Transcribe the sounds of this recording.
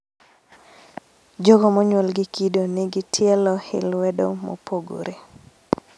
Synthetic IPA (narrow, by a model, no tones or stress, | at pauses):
d͡ʒoɡɔmɔɲwɛlɡɪkidonɛɡɪtʰjɛlɔhɪ̰lwɛdo̰mo̰poɡo̰ɾe